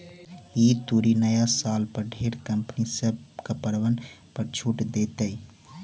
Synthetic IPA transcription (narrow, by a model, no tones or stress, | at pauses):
it̪uɾinəjasalpəɾɖʱeɾkəmpnisəb̚kəpəɽʋənpəɾt͡ʃʰuʈd̪et̪əɪ